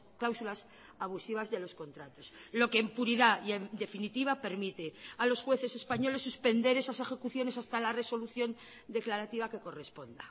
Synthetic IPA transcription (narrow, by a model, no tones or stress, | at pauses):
klawsulas | aβ̞usiβ̞azðe̞lo̞sko̞nt̪ɾat̪o̞slo̞keːmpuɾiðaied̪e̞finit̪iβ̞ape̞ɾmit̪e̞alo̞sxwe̞θe̞se̞spaɲo̞le̞sːuspe̞nd̪e̞ɾe̞sase̞xe̞kuθjo̞ne̞s̬ast̪alare̞so̞luθjo̞n | d̪e̞klaɾat̪iβake̞ko̞re̞spo̞nd̪a̰